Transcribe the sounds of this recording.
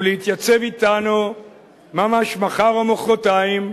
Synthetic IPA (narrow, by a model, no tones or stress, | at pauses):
lehit̪jat͡sevit̪anu | mamaʃmaχaʁomoχʁotaim